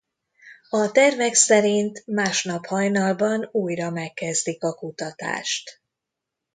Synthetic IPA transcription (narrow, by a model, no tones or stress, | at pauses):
ɒt̪ɛrvɛksɛɾint̪maːʃnɒphɒjnɒlbɒnuːjrɒmɛkːɛzd̪ikɒkut̪ɒt̪a̰ːʃt̪